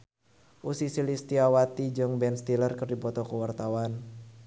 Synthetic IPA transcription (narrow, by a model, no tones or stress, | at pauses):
ʔusisilist̪iawat̪id͡ʒɔŋbɛnst̪ilərkərdipɔt̪ɔkəwart̪awan